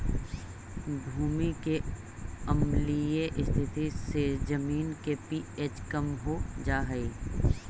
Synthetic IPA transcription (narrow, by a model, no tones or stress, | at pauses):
bʱuːmike | ɐmlijeʔɪst̪ʰɪt̪ised͡ʒɐmiːnkepiːet͡ʃkɐmɦod͡ʒaːɦəiː